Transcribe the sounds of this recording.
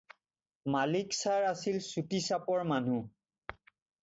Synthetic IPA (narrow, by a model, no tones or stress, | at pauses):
maliksaɹasilsutisapɔɹman̤u